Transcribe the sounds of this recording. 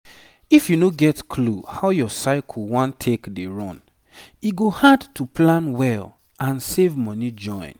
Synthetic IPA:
ifjunoɡɛtkʰluhaʊjɔsaɪkʰɔwɔ̃ntʰekdeɹɔ̃n | iɡohadtuplãnwɛl | ʔãnsevmɔnid͡ʒɔ̃ɪ̃n

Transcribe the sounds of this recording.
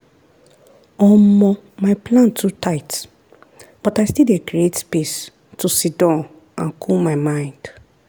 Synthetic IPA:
ɔmɔ̃ | maɪplãntʰːutʰaɪt | b̥ɔtaɪstilekɹietpes | tʰusidãn | ã̰nkʰulmaɪmãɪ̃nd̥

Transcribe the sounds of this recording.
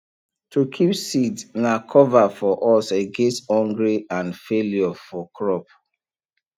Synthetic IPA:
tʰukʰipsidnakʰɔvafɔʔɔseɡestɔ̃ŋɡɹiãnfeljɔfɔkʰɹɔp

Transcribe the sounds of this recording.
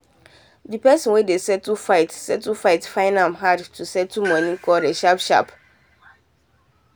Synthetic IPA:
dipɛsɔ̃nwedesɛtufaɪtsɛtufaɪtfãɪ̃ndãmɦadtusɛtumɔ̃nĩkʰɔldeʃapʃa̰p

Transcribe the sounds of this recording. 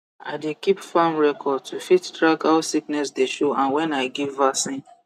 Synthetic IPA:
a̰ɪdekipfãmɹɛkʰɔd̚tʰufittɹakhaʊsiknɛsdeʃoãnwɛ̃naɪɡivasĩn

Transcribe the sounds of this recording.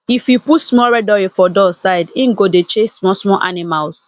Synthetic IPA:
ifjuputsmɔɹɛdɔɹifɔdɔsaɪdĩnɡodet͡ʃesːmɔsmɔʔa̰nimals

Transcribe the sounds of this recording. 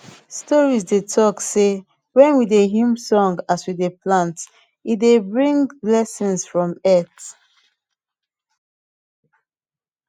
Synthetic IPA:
stɔɹisdetʰɔkse | wɛ̃nwideɦĩmsɔ̃ŋɡaswideplãnt | itdebɹĩŋɡlɛsə̃nsfɹɔ̃mɛt

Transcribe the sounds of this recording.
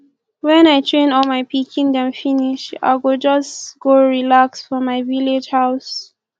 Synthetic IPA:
wɛ̃naɪtʰɹẽnɔlmaɪpʰikʰĩŋdɛ̃mfiniʃa̰ɪwild͡ʒʌsɡ̥oɹilaksfɹɔ̃maɪviled͡ʒhaʊs

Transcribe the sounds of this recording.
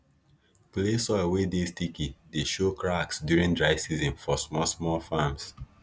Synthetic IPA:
plesɔɪlwedestikideʃokɹaksdjuɹĩndɹaɪsizɔ̃nfɔsmɔsmɔlfams

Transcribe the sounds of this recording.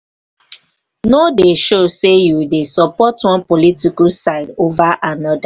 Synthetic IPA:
nodeʃosejudesɔpɔtwɔ̃npɔlitikusaɪdovaʔanɔda

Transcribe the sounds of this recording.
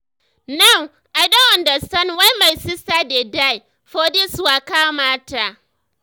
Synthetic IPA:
naŋ | ʔadɐwɐndasɐnwajmajsɪsaːdedaj | ɸodiswakaːmaːta

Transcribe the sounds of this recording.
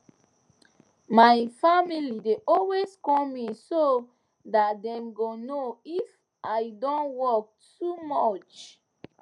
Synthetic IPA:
majfamilideʔɔlweskɔ̃miso | dat̚dɛ̃mɡonoif | ʔaɪdɔ̃nwɔk̚tumɔt͡ʃ

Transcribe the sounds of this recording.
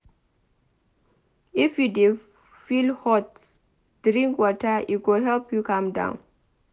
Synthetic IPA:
ifjude | filhɔt | d̥ɹĩŋkwɔtəʔiɡoɦɛlpjukãmdã̰ʊ̃n

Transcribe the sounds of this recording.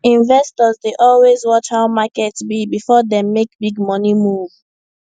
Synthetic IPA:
ĩnvɛstɔzdeʔɔlwezwɔt͡ʃhaʊmakɛtsbibifɔdɛmːek̚biɡmɔnimuv

